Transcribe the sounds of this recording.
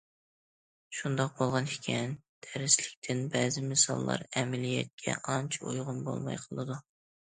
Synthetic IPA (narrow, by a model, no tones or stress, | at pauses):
ʃund̪ɑq̚bolˠʁɑni̥kʲʰɛnd̪ʰɛɾɪslɪkʲt̪ʰɪnbɛzɪmɨsɑlˠːɑ̰ɾɛmɛlijɛ̰t̪̚kʲʰɛ̰ʔɑnt͡ʃʰo̰jʁʊnbo̰lˠmɑ̰jqʰəlˠɨd̪u